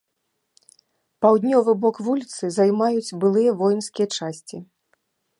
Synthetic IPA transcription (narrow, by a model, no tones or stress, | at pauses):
pawd̪ʲnʲɔvɨbɔkvulʲit̪sɨzajmajut͡sʲbɨlˠɨjɐvɔjnskʲijɐt͡ʂasʲt͡sʲi